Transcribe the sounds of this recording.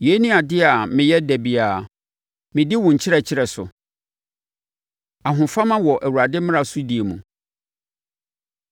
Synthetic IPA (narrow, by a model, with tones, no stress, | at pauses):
je˨˦nĩ˦a˨dɪ˦a˨mɪ̃˨jɛ˦dæ˨bi˨aː˨ | mɪ̃˨dɪ˦wʊ̃˨ɲ̩˨t͡ɕʰɪ˦ɾɛ˦t͡ɕʰɪ˦ɾɛ˨sʊ̰˨ | a˨ɦʊ̃˨fa˦mã˦wɔ˨ʔæ˨wu˨a˨dɪ˦mɪ̃˦a˨su˦di˨e˨mũ˨